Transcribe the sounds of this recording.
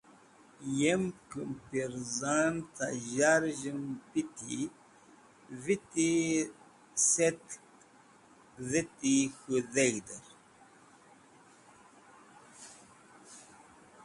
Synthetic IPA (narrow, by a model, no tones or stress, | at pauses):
jemkɨmpiɾzant̪a̰ʒaɾʒɨmpit̪ḭ | vit̪i | set̪ | ðit̪ixuðeɣd̪əɾ